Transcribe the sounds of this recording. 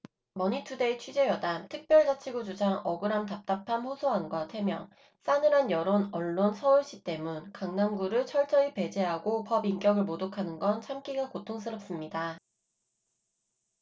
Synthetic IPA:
mʌɲitʰude̞it͡ɕʰid͡ʑe̞jʌdantʰɯk̚p͈jʌɭd͡ʑat͡ɕʰiɡud͡ʑud͡ʑaŋʌɡɯɾamtap̚t͈apʰanɸosʰoɦanɡwatʰe̞mjʌŋ | s͈anɯɾanjʌɾonʌɭːonsʰʌuɭɕ͈it͈e̞munkaŋnamɡuɾɯɭt͡ɕʰʌɭt͡ɕ͈ʌipe̞d͡ʑe̞ɦaɡopʌbink͈jʌɡɯɭmodokʰanɯnɡʌnt͡ɕʰamk͈iɡakotʰoŋs̬͈ʰɯɾʌp̚s͈ɯmɲida

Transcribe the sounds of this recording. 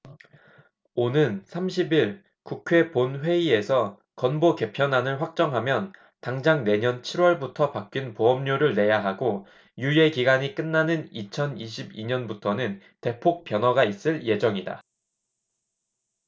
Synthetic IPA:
onɯnsʰamɕʰibiɭ | kukʰwe̞ponɸwe̞ie̞sʰʌ | kʌnboke̞pʰjʌnanɯɭɸwak̚t͡ɕ͈ʌŋɦamjʌn | taŋd͡ʑaŋne̞ɲʌnt͡ɕʰiɾwʌɭbutʰʌpak̚k͈inpoɦʌmɲoɾɯɭne̞jaɦaɡo | juje̞kiɡaɲik͈ɯnːanɯnit͡ɕʰʌniɕʰibiɲʌnbutʰʌnɯn | te̞pʰok̚p͈jʌnwʌɡais͈ɯɭje̞d͡ʑʌŋida̰

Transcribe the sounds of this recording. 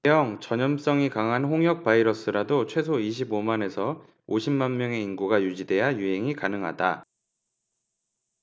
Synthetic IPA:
ejʌŋt͡ɕʌɲʌms͈ʌŋikaŋɦanɸoŋɦjʌk̚p͈aiɾʌs͈ɯɾadot͡ɕʰwe̞s̬ʰoiɕ̬ʰibomane̞sʰʌ | oɕʰimːanmjʌŋe̞inɡuɡajud͡ʑide̞ɦajuɦe̞ŋikanɯŋɦa̰da

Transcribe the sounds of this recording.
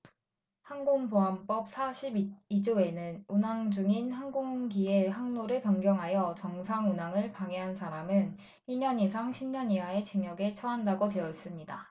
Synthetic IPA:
hanɡoŋpoɦamp͈ʌp̚sʰaɕʰibid͡ʑoe̞nɯnunaŋd͡ʑuŋinhanɡoŋɡieɦaŋnoɾɯɭpjʌŋɡjʌŋɦajʌt͡ɕʌŋsʰaŋunaŋɯɭpaŋeɦansʰaɾamɯn | iɭɲʌɲisʰaŋɕʰimɲʌɲiwae̞t͡ɕiŋjʌɡe̞t͡ɕʰʌɦandaɡode̞jʌis͈ɯmɲida

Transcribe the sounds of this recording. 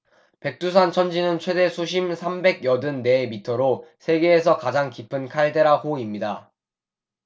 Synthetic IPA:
pe̞k̚t͈us̬ʰant͡ɕʰʌnd͡ʑinɯnt͡ɕʰwe̞de̞sʰuɕ̬ʰimsʰambe̞ɡjʌdɯnːe̞mitʰʌɾosʰe̞ɡe̞ːs̬ʰʌkad͡ʑaŋkipʰɯnkʰaɭde̞ɾahoimɲida

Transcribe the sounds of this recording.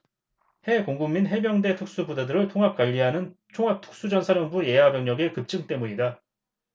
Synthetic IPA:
he̞koŋɡumːinɦe̞bjʌŋde̞tʰuk̚s͈ubudadɯɾɯɭtʰoŋɦap̚k͈waʎːiɦanɯnt͡ɕʰoŋɦap̚tʰu̥k̚s͈ud͡ʑʌnsʰaɾjʌnbuje̞ɦabjʌŋɲʌɡe̞kɯp̚t͡ɕ͈ɯŋt͈e̞muɲida

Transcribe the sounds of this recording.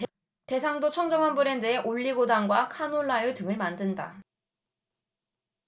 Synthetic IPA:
te̞sʰaŋdot͡ɕʰʌŋd͡ʑʌŋɦanbuɾe̞ndeeʔoʎːiɡodaŋɡwakʰanoɭːajutɯŋɯɭmandɯnda̰

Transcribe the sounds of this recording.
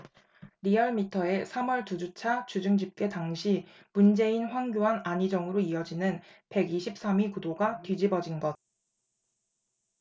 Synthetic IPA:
ɾiʌɭmitʰʌe̞sʰamʌɭtud͡ʑut͡ɕʰat͡ɕud͡ʑɯŋd͡ʑip̚k͈e̞taŋɕʰi | mund͡ʑe̞inɸwaŋɡjoɦanaɲid͡ʑʌŋɯɾoiʌd͡ʑinɯnpe̞ɡiɕʰip̚s͈amikudoɡatwɥid͡ʑibʌd͡ʑinɡʌd̚

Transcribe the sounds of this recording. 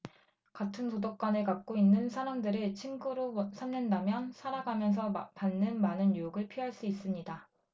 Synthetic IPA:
katʰɯntodok̚k͈wanekak̚k͈oinːɯnsʰaɾamdɯɾet͡ɕʰiŋɡuɾosʰamnendamjʌnsʰaɾaɡamjʌns̬ʰʌpanːɯnmanɯnjujoɡɯɭpʰiɦaɭs͈uis͈ɯmɲida

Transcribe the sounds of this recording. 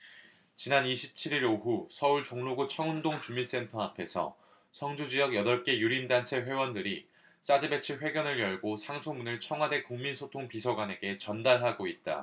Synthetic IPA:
t͡ɕinaniɕʰip̚t͡ɕʰiɾiɾoɦusʰʌuɭt͡ɕoŋnoɡut͡ɕʰʌŋɯndoŋt͡ɕumis͈e̞ntʰʌapʰe̞sʰʌ̰ | sʰʌŋd͡ʑud͡ʑijʌɡjʌdʌɭk͈e̞juɾimdant͡ɕʰe̞ɸwe̞wʌndɯɾi | s͈adɯbe̞t͡ɕʰiɸwe̞ɡjʌnɯɭjʌɭɡosʰaŋsʰoŋmunɯɭt͡ɕʰʌŋɦwade̞kuŋminsʰotʰoŋpisʰʌɡwane̞ɡe̞t͡ɕʌndaɭɦaɡoit̚t͈a̰

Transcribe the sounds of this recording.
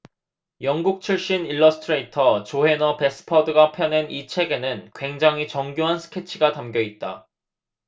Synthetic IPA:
jʌŋɡuk̚t͡ɕʰiɭɕ͈iniɭːʌsʰɯ̥tʰɯɾe̞itʰʌt͡ɕoɦe̞nʌpe̞s͈ɯ̥pʰʌdɯɡapʰjʌne̞nit͡ɕʰe̞ɡe̞nɯnkwe̞ŋd͡ʑaŋit͡ɕʌŋɡjoɦansʰɯ̥kʰe̞t͡ɕʰiɡatamɡjʌit̚t͈a̰

